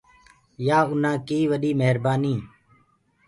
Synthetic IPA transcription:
jaːʊnãːkiːʋəɗiːmeɦɾbaːniː

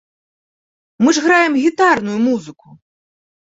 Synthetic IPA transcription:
mɨʐɣɾajɛmɣʲit̪arnujumuzɨku

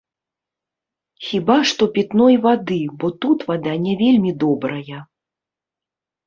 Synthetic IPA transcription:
xʲibaʂt̪ɔpʲɛt̪nɔjvad̪ɨbɔt̪ut̪vad̪anʲɛvʲelʲmʲid̪ɔbɾɐjɐ

